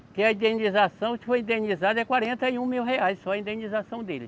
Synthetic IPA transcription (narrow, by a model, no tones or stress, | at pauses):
kɪɐĩd̪ẽnizasɐ̃w̃kɪfojĩd̪ẽnizad̪ɐɛkwaɾẽnt̪ɐiũmiwɦeajssɔɐĩd̪ẽnizasɐ̃w̃d̪elɪ